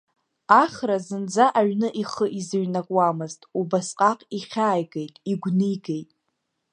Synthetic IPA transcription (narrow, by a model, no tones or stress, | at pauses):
aχrazɨnd͡zaʔaɥnɨʔiχəʔizɨɥnakʼwamɨztʼubasqʼaqʼiχʲaːjɡejtʼiɡʷnɨɡe̞jtʼ